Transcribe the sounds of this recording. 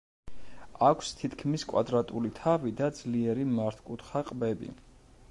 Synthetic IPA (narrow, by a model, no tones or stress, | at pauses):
akʷʰst̪ʰit̪ʰkʰmiskʼwa̰d̪ɾat̪ʼulit̪ʰavid̪ad̪zliɛɾimaɾt̪ʰkʼut̪χaqʼbɛbḭ